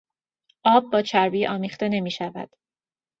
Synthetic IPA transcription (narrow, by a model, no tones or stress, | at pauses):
ʔɒːb̚ːɒːt͡ʃʰæɾbiːʔɒːmiːχt̪e̞ne̞miːʃævæ̰d̪̥